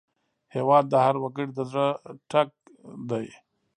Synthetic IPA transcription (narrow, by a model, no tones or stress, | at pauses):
hewɑːd̪̚ːahaɾwakəɽid̪əzɾaʈʰak̚ | d̪aj